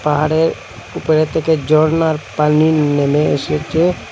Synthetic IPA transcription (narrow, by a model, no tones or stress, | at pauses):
paɦaɽeɾ | ʊpɾet̪eked͡ʒɔɽnaɾpaninemẽeset͡ʃe